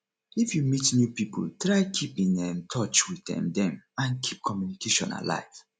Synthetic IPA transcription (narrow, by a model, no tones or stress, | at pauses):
ifjumitnjupipṵltɹaɪkʰipĩŋɛ̃mtʰɔt͡ʃwiθɛ̰̃mdɛ̃mãnkʰip̚kʰɔmjunikeʃɔ̰̃na̰la̰ɪv̥